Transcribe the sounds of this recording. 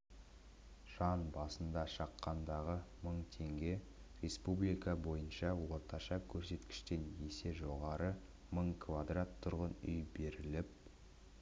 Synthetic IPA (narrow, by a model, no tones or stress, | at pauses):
ʒ̥ɑnbɑsənd̪ɑʃɑqːɑnd̪ɑʁəməɴt̪ʰe̞ŋɡʲe̞ | re̞spublijkɑbo̞jənʃɑwo̞ɾt̪ʰɑʃɑkʲʰɵɾse̞t̪kʲɪ̥ʃt̪e̞njese̞ʒo̞ʁɑɾə | məɴkʰvad̪rat̪ʰːʊɾʁənʏjbe̞ɾɪlɪp̚